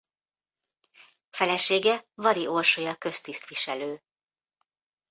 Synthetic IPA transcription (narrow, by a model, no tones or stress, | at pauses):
fɛlɛʃeːɡɛvɒɾiʔo̞rʃojɒkø̞st̪ist̪ʋiʃɛløː